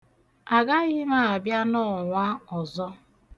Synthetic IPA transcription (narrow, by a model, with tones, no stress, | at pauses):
a˨ɡa˦ɣɪ˦ma˦˨a˨bja˦nɔ˦˨ŋʷa˦ɔ˨zɔ˦